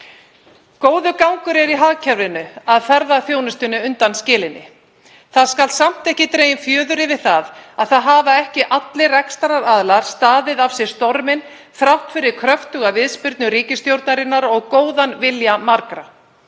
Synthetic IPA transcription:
koːwðʏkawŋkʏɾɛɾiɦaːɣcʰɛɾvlɪnʏaðfɛɾðaθjoːwnʏst̪ʏnːɪʏnt̪anscɪːlɪnːɪ | θaðskalt̪sam̥t̪ɛhcɪt̪ɾeːjɪnfjœːðʏɾɪvɪðθaðaðθaðɦaːvaɛhcɪʔat̪lɪrɛkst̪aɾaɾaðlaɾ̥st̪aːðɪðav̥sɛ̥st̪ɔɾmɪn | fɾawht̪fɪɾɪɾkʰɾœft̪ʏɣavɪðspɪɾt̪nʏɾiːcɪst̪jowɾt̪naɾɪnːaɾɔɣkoːwðanvɪljamaɾkɾa

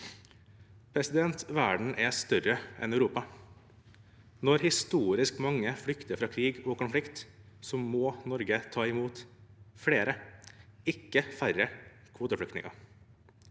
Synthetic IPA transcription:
pʰɾɛsɪd̪ɛnt̪ʋæːɖɳ̩ʔɛst̪œɾəʔɛ̰nœʉɾuːpɑ | nɔɾhɪst̪uːɾɪskmɑŋːəfɽʏkt̪əfɾɑːkʰɾiːɡɔːkʊnflɪkt̪ | sɔmoːnɔɾɡət̪ʰɑːɪmuːt̪fɽeːɾə | ɪkːəfæɾə | kʰʋuːt̪əfɽʏkt̪nɪ̰ŋɑ̰

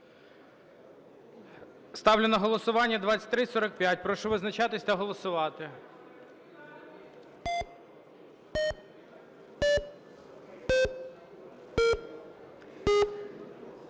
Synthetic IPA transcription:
st̪ɑwlʲɪnɐɦɔlˠɔsʊʋɑnʲːɐd̪ʋɑt͡sʲːɐ̥tʲt̪ɾɪsɔɾɐkpʲjat̚ʲpɾɔʃɔʋɪznɐt͡ʃɑt̪ɪsʲt̪ɛɦɔlˠɔsʊʋɑt̪ɪ

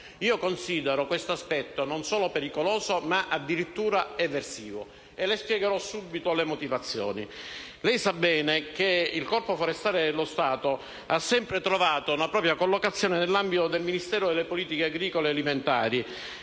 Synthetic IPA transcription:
iːokonsiːd̪eɾokwest̪oaspɛt̪ːononsoːlopeɾikoloːzomaʔad̪ːiɾit̪ːuːɾaɛvːersiːvo̰ | elespjɛɡeɾɔsːubːit̪olemot̪ivat̪sːjo̰ːnḭ | lɛjsabːɛːnekeilkɔrpofoɾest̪aːɾed̪elːost̪aːt̪o | asːɛmpɾet̪ɾovaːt̪ounapɾɔːpɾjakolːokat̪sːjoːnenelːambit̪od̪elminist̪ɛːɾod̪elːepoliːt̪ikeaɡɾiːkolealiment̪a̰ːɾi

